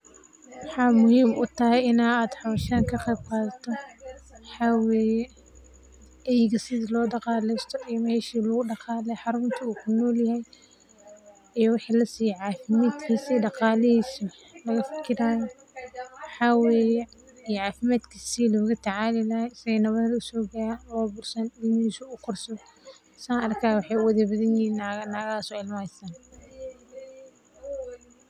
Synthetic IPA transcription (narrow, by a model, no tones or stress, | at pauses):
wɑħaːmʊhɪmʔut̪ɐhɛɪnaaːd̪ħawʃaːŋkʰɐqɛːbkɑːðt̪ʰɔ | ħawɛ | ɛjɡɐsɪdlɔːd̪ɑqɑːlɛst̪ʰɔijmɛːʃiːlɐɣʊɖɑqɑːlɛħɑɾʊmt̪ʰiukʰʊnɔːljɐhɛj | ɪjɔwɑħlɐsiʕaːfɪmaːt̪kʰisidɑqɑːlɛhis | lɐɣɐfɪ̥kʰɪɾaːjɔ | wɑħɑːwɛːjɛ | ijʕɑːfɪmaːd̪kʰisilɔːɣʊt̪ʰɐʕaːlɪlɐhɛsɪɛnɐβɐɾɾʊsɔːɡaɾalɔːbʊrsɐndɪnisʊʊqʰɔrsɔ | saːɐrkʰaːwɑħɑjʊwɐðɐbɐðɐnjinnɐɣːsɔɪlmaːsaːn